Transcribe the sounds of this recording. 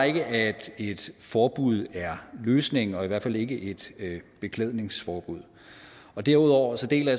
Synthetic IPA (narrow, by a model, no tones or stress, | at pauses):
e̝ɡ̥əʔæd̥e̝d̥fɒːb̥uð̞̰ˠæɐløːsne̝ŋɒ̽iʋæɐ̥fæl̰e̝ɡ̥əʔe̝d̥b̥e̝kʰleðˠne̝ŋsfɒːb̥uð̞̰ˠ | ɒ̽d̥æɐuð̞̰ˠɒ̰ʊ̰ɐsɒ̽d̥e̝̰ːlæ